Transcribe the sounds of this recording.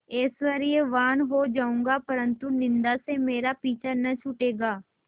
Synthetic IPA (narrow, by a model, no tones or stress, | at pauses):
ɪːsʋəɾɪeʋaːnɦoːd͡ʒaːũːŋɡaːpəɾə̃nt̪unɪ̃nd̪asemeːɾapiːt͡ʃʰənət͡ʃʰʊʈeːɡaː